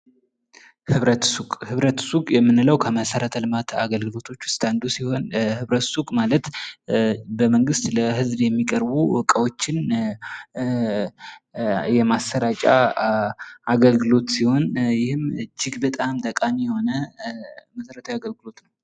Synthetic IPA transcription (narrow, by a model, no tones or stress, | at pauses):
hɨβɾət̪sukʼhɨβɾət̪sukʼjɛmːɨnɨləwkʰəməsəɾət̪ʰəlɨmat̪ʰaɡəlɡɨlo̞t̪ʰo̞t͡ʃːwʊst̪ʰʼand̪usiho̞nhɨβɾət̪sukʼmalət̪ | bəməŋɡɨst̪ləɦɨzbjɛmːikʼəɾbukʼəwo̞t͡ʃːɪn | jɛmast̪əɾat͡ʃʼa̰ | ʔaɡəlɡɨlo̞t̪siho̞njɪhɨmd͡ʒɪɡbət̪ʼamd̪ʼəkʼamijɛho̞nə | məsəɾət̪ʰawjaɡəlɡɨlo̞t̪nəw